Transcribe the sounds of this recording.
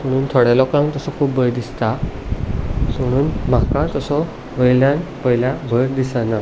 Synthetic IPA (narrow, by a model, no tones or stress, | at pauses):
m̤əɽ̃uːnt̪ʰɔɽalɔkãŋt̪əsɔkʰuːpbəjd̪ist̪a | m̤əɽ̃uːnm̤akat̪əsɔ | ʋəjljanpəjljabʱəɾd̪isana